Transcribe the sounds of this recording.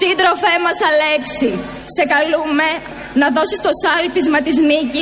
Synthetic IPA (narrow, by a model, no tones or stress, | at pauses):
ind̪ɾo̞fe̞mɐsɐle̞ksi | se̞kɐlume̞ | nɐðo̞sist̪o̞sɐlpizmɐt̪iznici